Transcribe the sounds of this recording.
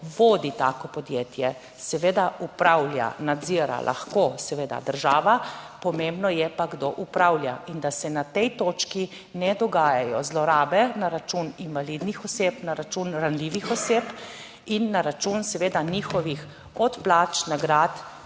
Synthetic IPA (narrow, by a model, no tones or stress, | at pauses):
ʋoːd̪it̪aːkɔpɔd̪jeːt̪jɛ | sɛʋeːd̪aʔupɾawlja̰nad̪ziɾa̰lʔa̰xkosɛʋeːd̪a̰d̪əɾʒaːʋapɔmembnɔjɛpaɡd̪oʔupɾawljaind̪asɛnat̪ɛjt̪oːt͡ʃki | nɛd̪ɔɡaːjajɔzlɔɾaːbɛnaɾat͡ʃuninʋalid̪nixɔseːpnaɾat͡ʃunɾanliʋixɔseːp | inːaɾat͡ʃunsɛʋeːd̪aniːxɔʋix | ɔt̪plaːt͡ʃnaɡɾaːt̪